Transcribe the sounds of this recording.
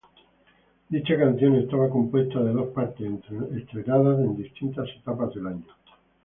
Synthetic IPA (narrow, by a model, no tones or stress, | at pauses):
d̪it͡ʃakan̟θjonest̪aβakompwe̞st̪aðeðospaɾt̪esnt̪ɾent̪ɾenaðaend̪ist̪int̪aset̪apazðelaɲo